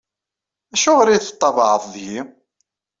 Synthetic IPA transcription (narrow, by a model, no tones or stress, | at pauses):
æʃʊʁɾiθt̪ˤːɑvɑʕəθˤðji